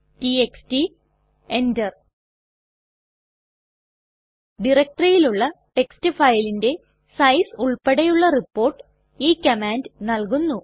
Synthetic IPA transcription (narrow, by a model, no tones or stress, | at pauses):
tieksti | endɐr | ɖirɐk̚ʈrɐjiluɭːɐʈekstifɐjlinde̞ | sɐjsuɭpeɽejuɭːɐripːo̞ːrʈːɨ̥ | iːkːɐmaːndɨnɐlkunːu